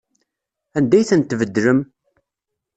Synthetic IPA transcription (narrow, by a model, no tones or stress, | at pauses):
ænd̪æjθənt̪ːvəd̪ːɾəm